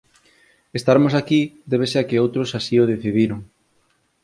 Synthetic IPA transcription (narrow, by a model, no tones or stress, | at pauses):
est̪aɾmosakid̪eβ̞eseakeowt̪ɾosasioð̞eθiðiɾoŋ